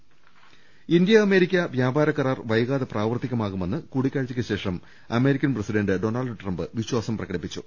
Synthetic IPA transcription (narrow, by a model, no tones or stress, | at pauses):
ind̪jɐːme̞ːɾikʲːɐʋjaːbʱaːɾɐkːɐɾaːrʋɐjɣaːðɐpraːʋɐrt̪ːikʲːɐmaːɣume̞nːɨkuːɽikʲːaːɻt͡ɕːikʲːɐɕe̞ːʂɐm | ɐme̞ːɾikʲːɐnprɐsiɖɐɳɖɨɖo̞nɐɭɖɨʈrɐmbɨʋiɕwaːsɐmprɐɣɐɽipːit͡ɕːu